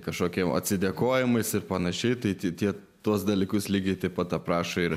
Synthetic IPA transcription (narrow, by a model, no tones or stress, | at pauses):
kɐʃkoːkʲiɛmʔɐ̰t̪ʲsʲɪd̪ʲeːkoːjɪmɐɪsɪɾpɐnɐʃʲɛɪt̪ɐɪt̪ʲit̪ʲiɛ | t̪uɔsd̪ɐlʲiːkʊslʲiːɡʲɛɪt̪ɐɪpɐt̪ɐpɾɑːʃoɪɾ